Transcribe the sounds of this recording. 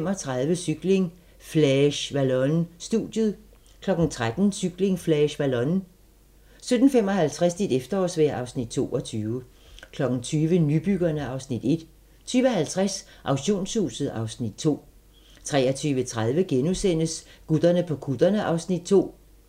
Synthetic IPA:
m̰ɒ̽t͡sʰʁað̞ˠʋəsyɡ̥le̝ŋ | flɛɕʋælɔnsd̥ṵd̥jəð̩ˠ | kʰlɒ̽ɡ̥n̩t͡sʰʁad̥n̩syɡ̥le̝ŋflɛɕʋælɒ̽n | sød̥n̩fem̰ɒ̽hælt͡sʰʁasd̥id̥efd̥ɐɒsʋeɐʔɑ̈ʊsnid̥̚t͡sʰo̝̰ːɒ̽t͡sʰyːʋə | kʰlɒ̽ɡ̥n̩t͡sʰyːʋənyb̥yɡ̥ɐnəɑ̈ʊsnid̥e̝d̥ | t͡sʰyːʋəhælt͡sʰʁas | ʔɑ̈ʊɕo̝̰ːnshṵːsð̩ˠɑ̈ʊsnid̥̚t͡sʰo̝̰ː | t͡sʰʁɛ̰ːɐt͡sʰyːʋət͡sʰʁað̞ˠʋəɡ̥enusen̰əsɡ̥ud̥ˠɐnəpʰɒ̽kʰud̥ɐnəʔɑ̈ʊsnid̥̚t͡sʰo̝̰ː

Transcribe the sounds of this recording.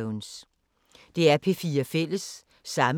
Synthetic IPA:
ʊns | d̥e̝æɐpʰe̝fiːɐfel̰əsː | ɑ̈m

